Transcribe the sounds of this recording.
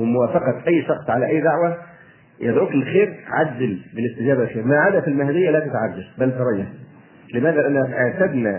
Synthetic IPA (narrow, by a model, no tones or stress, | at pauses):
wɪmʊwæːfɑqɑt̪ʔæjːʃɑxsˤʕalæʔæjːd̪aʕwæ | jʔed̪ʕuːklxeːɾʕad̪ːɪlbɪlɪst̪ɪd͡ʒæːbælxeːɾmaʕaːd̪æfilmahæd̪ɪjːælæːt̪æt̪ʕad̪ːalbælt̪ɑɾˤɑjːɑ | lɪmæːðælʔænːæʔeʕt̪æd̪næ